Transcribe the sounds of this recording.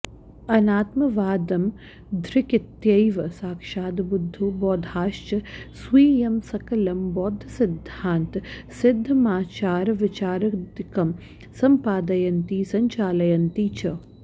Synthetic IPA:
ɐnaːt̪mɐʋaːd̪ɐm | d̪ʱɾɪkɪt̪jɐjʋɐsaːkʂaːd̪bud̪ʱːubɔːd̪ʱaːʃt͡ʃɐswiːjɐmsɐkɐlɐmbɔːd̪ʱɐsɪd̪ʱːaːnt̪sɪd̪ʱːɐmaːt͡ʃaːɾʋɪt͡ʃaːɾɐd̪kɐm | sɐmpaːd̪ɐjɐnt̪iːsɐɲt͡ʃaːlɐjɐnt̪iːt͡ʃɐ

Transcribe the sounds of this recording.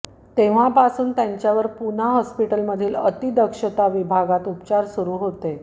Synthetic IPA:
t̪eʋ̤apasuːnt̪jaɲt͡ɕjaʋəɾpun̤aɦɔspiʈəlməd̪ʱiːlət̪id̪əkʂət̪aʋibʱaɡat̪upt͡ɕaɾsuɾuːɦot̪e

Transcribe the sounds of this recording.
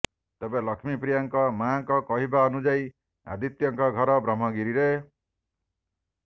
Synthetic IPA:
t̪ebẽlʌkʰmipɾijaŋkɔmaŋkɔkɔɦibaːnud͡ʒaj | a̰d̪it̪jɔŋkɔɡʱʌɾɔbɾɔmʌɡiɾiɾe

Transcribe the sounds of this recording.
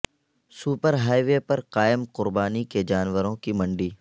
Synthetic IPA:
suːpəɾɦaːiʋepɐɾqaːɪmqʊɾbaːniked͡ʒaːnʋəɾõkimɐ̃ɳɖiː

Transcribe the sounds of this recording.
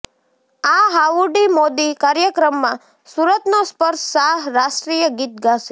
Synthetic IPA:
aɦaʋuɖimod̪ikaɾjəkɾəmːã | suɾət̪nospəɾʃsaɦɾaʃʈɾijəɡit̪̚ɡaʃe

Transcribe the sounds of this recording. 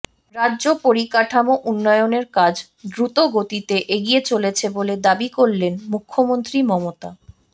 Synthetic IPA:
ɾadːʑopoɾikaʈʰamoʔunːɔeoneɾkad͡ʑ | d̪ɾut̪oɡot̪it̪eʔeɡiet͡ɕolet͡ɕʰeboled̪abikoɾlenmukʰːomont̪ɾimɔmot̪a

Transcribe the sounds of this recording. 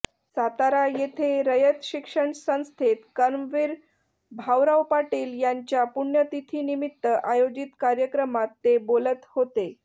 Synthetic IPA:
sat̪aɾajet̪ʰeɾəjət̪ɕikʂəɳsə̃w̃st̪ʰet̪kəɾmʋiɾ | bʱawɾawpaʈiːljaɲt͡ɕjapuɳjət̪it̪ʰiːnimit̪ːəʔajod͡ʑit̪kaɾjəkɾəmat̪ːebolət̪hot̪e

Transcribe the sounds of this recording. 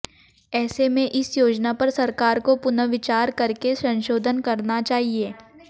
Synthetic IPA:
ɛːsemẽʔɪsjoːd͡ʒnapɐɾsɐɾkaːɾkopʊnəʋɪt͡ʃaːɾkɐɾkesɐ̃nʃoːd̪ʱənkɐɾnat͡ʃaːɦieː

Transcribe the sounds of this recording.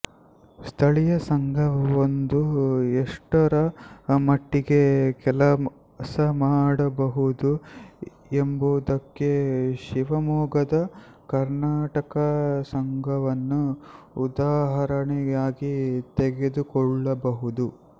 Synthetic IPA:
st̪ʰɐɭijɐsɐŋɡʱɐʋond̪ueʂʈɐɾɐmɐʈːiɡekɛlɐ | sɐmaːɽɐbɐɦud̪u | embuːd̪ɐkːeʃiʋɐmɔːɡɐd̪ɐ | kɐɾnaːʈɐkɐsɐŋɡʱɐʋɐnːuː | d̪aːɦɐɾɐɳɛjaːɡit̪eɡe̞d̪ukɔɭːɐbɐɦud̪u

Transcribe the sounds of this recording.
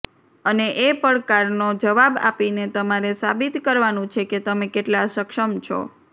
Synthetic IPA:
əneʔepəɾkaɾnod͡ʒəʋaba̰pinet̪əmaɾesabit̪kəɾʋanũt͡ʃʰeket̪əmekeʈlasəkʃəmt͡ʃʰo̰

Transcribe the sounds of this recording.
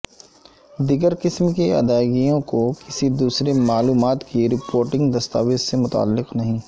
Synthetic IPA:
d̪ɪɡəɾkɪsmkiɐ̰d̪aːɪɡijõkokɪsid̪uːsɾemaːluːmaːt̪kiɾɪpoːɾʈɪ̃ŋɡd̪ɐst̪a̰ːʋɪd͡ʒsemʊt̪a̰ːlːɪqnɐɦĩː

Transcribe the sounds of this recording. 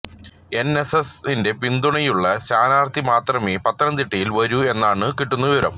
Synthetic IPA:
e̞nesesinde̞pind̪uɳɐjuɭːɐɕaːnaːrt̪ːimaːt̪rɐmeːpɐt̪ːɐnɐnd̪iʈːɐjilʋɐɾue̞nːaːɳɨkiʈːunːɐʋiʋɐɾɐ̰m

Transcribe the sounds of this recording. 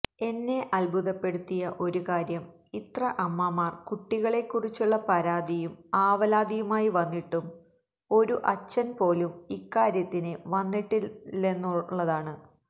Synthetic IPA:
e̞nːe̞ʔɐlbʱuðɐpːe̞ɽut̪ːijɐʔo̞ɾukaːɾjɐm | it̪rɐʔɐmːamaːrkuʈːiɣɐɭe̞kːurit͡ɕːuɭːɐpɐɾaːd̪ijumaːʋɐlaːd̪ijumaːjiʋɐnːiʈːum | o̞ɾuʔɐt͡ɕːɐnpo̞ːlumikːaːɾjɐt̪ːinɨʋɐnːiʈːienːuɭːɐðaːɳɨ

